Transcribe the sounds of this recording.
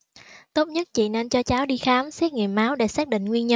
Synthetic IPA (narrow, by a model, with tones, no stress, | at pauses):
t̪o˦˥t̚ɲə˦˥t̚t͡ɕḭ˧˨ne˧nt͡ɕɔ˧t͡ɕaː˨˦wɗi˧xaː˨˦msɛ˦˥k̚ŋḭ˨m̚aː˨˦wɗe˧˩saː˦˥k̚ɗḭ˧˨ŋ̟ŋwi˧ənɲə˧